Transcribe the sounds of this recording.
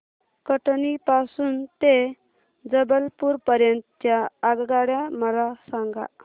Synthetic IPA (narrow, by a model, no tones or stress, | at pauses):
kəʈnipasuːnt̪e | d͡zəbəlpuɾpəɾjənt̪t̪jaːɡɡaɽjaməlasãŋɡa̰